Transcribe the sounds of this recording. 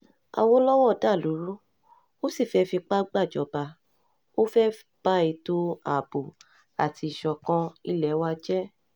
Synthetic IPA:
a̰˨wo˧˦lɔ˦wɔ˦˨da˦˨lu˨˦ɾu˦ | o˦si˦˨fɛ˧˦fi˧k͡pa˦ɡ͡ba˦˨d͡ʒɔ˨˦ba˧ | o˦fɛ˦f | k͡pa˦i˧to˦a˦˨bo˨ | a̰˨ti˧i˨ʃɔ˧kɔ̃˧i˦lɛ˨˦wa˧d͡ʒɛ˦

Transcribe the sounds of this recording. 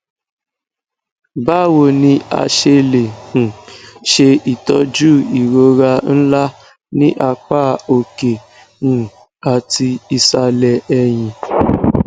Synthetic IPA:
ba˦˨wo˨nĩ˧a̰˧ʃe˧le˨hũ˨ʃe˧i˨tɔ˨˦d͡ʒuː˦˨i˨ɾo˨˦ɾa˧n̩˦la˦ | nĩ˦ʔa˧k͡pa˦o˨ke˨ | ũ˨ | a˨ti˧i˧sa˧lɛ˧ɛ˧j̃ĩ˧

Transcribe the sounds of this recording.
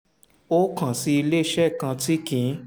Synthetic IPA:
o˦kã˨si˨˦i˧le˦˧ʃɛ˦˨kã˧ti˦kĩ˨˦

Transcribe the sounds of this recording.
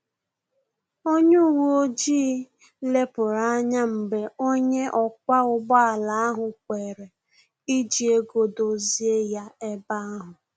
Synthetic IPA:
o˦ɲu˦˨wu˦o˦d͡ʒiː˦ | le˦pʊ˨ɾa˦ɲa˦m̩˨be˨o˦ɲe˦ʔɔ˨k̚ʷa˦ʊ˦ɡ͡bɔ˦a˨la˨a˦ɦʊ˨kʷe˨ɾe˨ | i˦d͡ʒi˨e˦ɡo˨do˦zi˦e˦ja˦e˦ba˦a˦ɦʊ˨

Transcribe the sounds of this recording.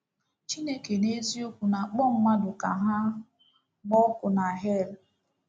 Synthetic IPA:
t͡ʃi˦ne˦ke˨ne˦zi˦o˦kʷu˨na˨k͡pɔ˦ŋ͡m̩˦ma˦dʊ˨ka̰˨ɦa˦ | mɔ˦kʊ˨na˨ɦe˦˨l

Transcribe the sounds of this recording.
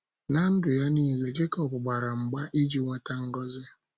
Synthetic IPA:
na˦n̩˦dʊ˨ja˦niː˦ɣe˨d͡ʒe˦kɔ˨bʊ˨ɡ͡ba˨ɾa˨ŋ͡m̩˨ɡ͡ba˦ʔi˦d͡ʒi˨ŋʷe˦ta˦ŋ̩˦ɡɔ˦zɪ˦

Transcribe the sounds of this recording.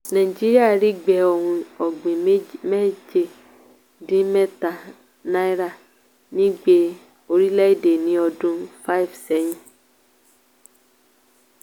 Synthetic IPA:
nã˨i˨d͡ʒi˦ɾi˦a˦˨ɾi˦ɡ͡bɛ˨ɔ˨ɾũ˨ɔ˨ɡ͡bẽ˨˦mɛ˦d͡ʒe˦ | dĩ˦mɛ˦ta˨ | na˦jɾa˦˨ | nĩ˦ɡ͡be˨˦ | o˨ɾi˦lɛ˦i˦de˨nĩ˨˦ɔ˧dũ˦fa˦i˨vsɛ˦ɲĩ˦

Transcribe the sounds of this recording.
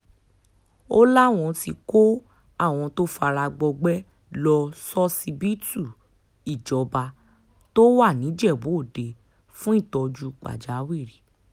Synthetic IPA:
o˦la˦˨w̃ɔ̃˧ti˧ko˦ | a˦˨w̃ɔ̃˧to˦fa˧ɾa˧ɡ͡bɔ˧ɡ͡bɛ˦ | lɔ˧sɔ˦si˧bi˦tu˦˨ | i˨d͡ʒɔ˨ba˧ | to˦wa˦˨nĩ˨˦d͡ʒɛ˦˨bo˨˦o˦˨de˧ | fũ˦i˦˨tɔ˧d͡ʒu˧˨k͡pa̰˨d͡ʒa˨˦wi˦˨ɾi˨˦

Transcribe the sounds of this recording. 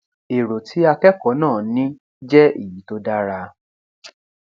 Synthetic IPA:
e˨ɾo˨tʰi˨˦a˧kɛ˦kɔ˨˦nãː˦˨nĩ˦ | d͡ʒɛ˦ḭ˦˨ji˨˦to˦da˦ɾa˧

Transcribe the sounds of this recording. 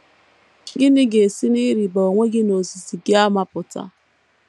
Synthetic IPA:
ɡɪ˦nɪ˦ɡe˨si˦ni˦ɾi˨ba˨o˨ŋʷe˦ɡɪ˦no˨zi˨zi˨ɡɪ˦a˦ma˨pʊ˨ta̰˦

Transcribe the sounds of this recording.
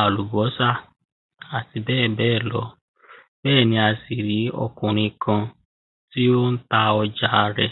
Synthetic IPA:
a˨lu˨bɔ˨˦sa˦˨ | a˨ti˨bɛː˦˨bɛː˦˨lɔ̰˧˦ | bɛː˦˨nĩ˧a˧si˨ɾi˨˦ɔ̰˧kũ˨ɾ̃ĩ˧kã˧ | ti˦o˦n̩˦ta˧ɔ˧d͡ʒa˦˧ɾɛ̰˧

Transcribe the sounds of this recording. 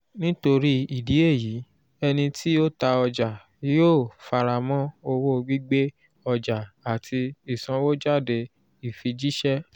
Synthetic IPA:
nĩ˦to˧ɾi˦i˦˨di˨˦e˦˨ji˨˦ | ɛ˧nĩ˧tʰi˦o˦ta˧ɔ˧d͡ʒa˨˦ | jo˦˨fa˧ɾa˨mɔ̃˦o˧wo˦ɡ͡bi˦ɡ͡be˦ | ɔ˧d͡ʒa˨a˨tʰi˧i˨sã˧˦wo˦d͡ʒa˦˨de˧ | i˨fi˧d͡ʒi˦ʃɛ˦

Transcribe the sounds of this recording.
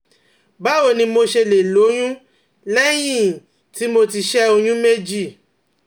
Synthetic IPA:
ba˦o˦˨nĩ˧mo˧ʃe˧le˨lo˨˦j̃ũ˦ | lɛ˦j̃ĩ˦˨ | ti˨˦mo˧ti˧ʃɛ˦o˧j̃ũ˦me˦d͡ʒi˦˨

